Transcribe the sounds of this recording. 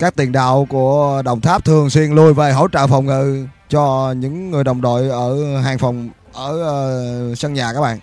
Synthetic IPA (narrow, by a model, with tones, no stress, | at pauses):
kaː˦˥k̚t̪i˨˩ənɗa̰ː˧˨wku˧˩əɗə̰˧˨wŋ͡mt̪ʰaː˦˥p̚t̪ʰɨ˨˩əŋswi˧ənlu˧jve˨˩ɦo̰˧˥t͡ɕə̰ː˧˨fa˨˩wŋ͡mŋɨ̰˧˨t͡ɕɔ˧ɲɨ̰˧˥ŋːɨ˨˩əjɗə˨˩wŋ͡mɗo̰˧˨jʔəː˧˩ɦaː˨˩ŋfɔ˨˩wŋ͡m | ʔəː˧˩sə˧ŋɲaː˨˩kaː˦˥k̚ɓa̰ː˧˨